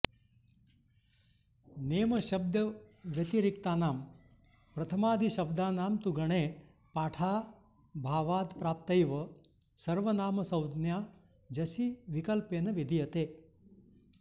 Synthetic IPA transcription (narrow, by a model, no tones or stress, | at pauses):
neːmɐʃɐb̚d̪jɐʋjɐt̪iɾikt̪aːnaːm | pɾɐt̪ʰɐmaːd̪ʱiʃɐb̚d̪aːnaːmt̪uɡɐɳeː | paːʈʰaː | bʱaːʋaːd̪pɾaːp̚t̪ɐjʋɐsɐɾʋɐnaːmɐsɐwd̪njaː | d͡ʒɐsiʋikɐlpeːnɐʋid̪ʱijɐt̪eː